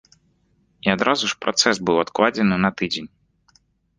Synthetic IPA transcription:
iad̪ɾazuʂpɾʔa̰t̪sɛsbɨwat̪klˠad͡zʲɛnɨnɐt̪ɨd͡zʲenʲ

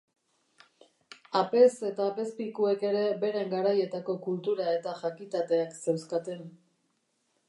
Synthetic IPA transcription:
ape̞se̞t̪aːpe̞spikue̞ke̞ɾe̞be̞ɾe̞ŋɡaɾaje̞t̪ako̞kult̪uɾae̞t̪aʝakit̪at̪e̞aksewskat̪en

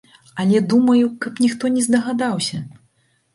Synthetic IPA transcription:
ɐlʲɛd̪umɐjukɐpnʲixt̪ɔnʲɛzd̪ɐɣad̪awsʲɐ

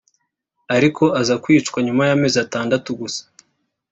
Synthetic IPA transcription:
aɾikʰo̞ʔazakwiːt͡ʃkwaɲumajame̞ːzataːndatuɡusḁ

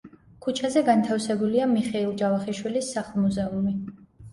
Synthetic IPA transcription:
kʰut͡ʃʰazɛɡant̪ʰafsɛbuliamiχɛilˠd͡ʒavaχiʃwilisːaχlˠmuzɛumi

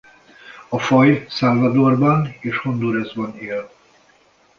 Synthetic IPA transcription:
ɒfɒjsalvɒd̪o̞rbɒneːʃhond̪uɾɛzbɒneːl

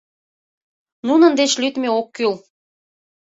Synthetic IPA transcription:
nunə̆nd̪et͡ɕlyt̪meokːyl

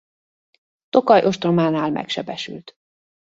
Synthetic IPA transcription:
t̪o̞kɒjʔo̞ʃt̪ro̞maːnaːlmɛ̰kʃɛbɛʃy̰lt̪

